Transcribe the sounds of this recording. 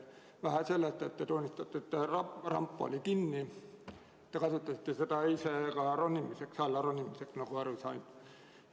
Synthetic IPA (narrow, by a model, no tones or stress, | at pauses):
ʋæhæselːest̪et̪ːet̪onʲːist̪ɑt̪ːeet̪ːerɑrɑ̰mpːɑo̰likinːi | et̪ːekɑsut̪ːˑɑsi̥t̪ːeset̪ɑisekɑronʲːimːiseksɑlːɑronʲːimːiseksnokuɑrʋisɑin